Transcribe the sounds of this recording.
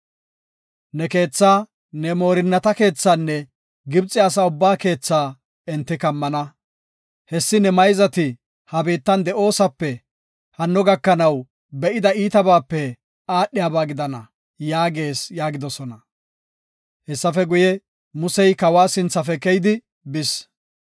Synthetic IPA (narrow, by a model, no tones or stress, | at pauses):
nɛke̞ːt͡sːaː | nɛmo̞ːɾɪnːɐt̪ɐke̞ːt͡sːaːnːɛ | ɡɪbt͡sʼːɪɐs̬aʊbːaːke̞ːt͡sːaː | ɛnt̪ːɪkɐmːɐnɐ | hɛsːɪnɛmɐjzɐt̪ɪ | hɐbiːt̪ːɐnd̪ɛʔo̞ːsɐpːɛ | hɐnːɔɡɐkːɐnɐw | bɛʔɪd̪ɐiːt̪ɐbaːpːɛ | aːɗːɪjaːbaːɡɪd̪ɐnɐ | jaːɡe̞ːsjaːɡɪd̪ɔsɔnɐ | hɛsːɐfɛɡʊjɛ | mʊsɛjkɐwaːsɪnt͡sːɐfɛkɛjɪd̪ɪ | bɪs